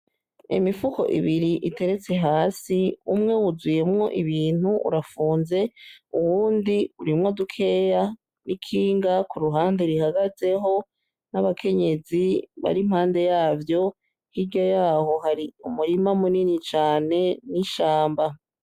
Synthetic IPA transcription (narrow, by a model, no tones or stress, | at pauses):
ḭmifuko̞̰ʔḭβiɾiʔite̞ɾet͡se̞ɦaːsiumŋe̞wuzwije̞mŋo̞ʔiβiːn̥huʔṵɾafuːnze̞uwuːndiuɾimŋo̞dukʰe̞ːja | nikʰiːŋɡakuɾuɦaːndeɾihaɡaze̞ɦo̞ | naβakʰe̞ɲe̞ziβa̰ɾimhaːnde̞jaːvjo̞ | hiɾɟojaːho̞haɾiumuɾimamuninit͡ʃaːne̞niʃaːmba